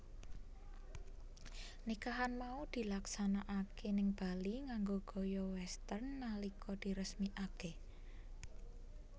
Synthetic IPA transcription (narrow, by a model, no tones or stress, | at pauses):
nikaɦanmaud̪̥i̤laksanaʔakenɪŋb̥a̤liŋaŋɡoɡ̥o̤jɔwɛst̪ərnːalikʰɔd̪̥i̤ɾəsmiʔake